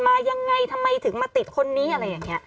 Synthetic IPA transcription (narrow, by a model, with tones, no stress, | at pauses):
maː˧ja˧ŋːa˧˩jt̪ʰa˧mːa˧jt̪ʰɯ˩˦ŋmaː˧˩t̪i˨˩t̪̚kʰo˧nːiː˦˥ʔa˧ɾa˧jːaː˨˩ŋːni˦˥ɐ